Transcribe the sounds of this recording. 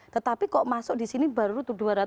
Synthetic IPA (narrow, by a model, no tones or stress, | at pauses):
t̪ət̪apikɔʔmasʊʔd̥i̤siniba̤ɾut̪uɖuaɾa